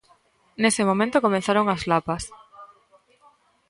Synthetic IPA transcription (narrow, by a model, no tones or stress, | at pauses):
nesemomẽnt̪okomẽθaɾoŋazlapas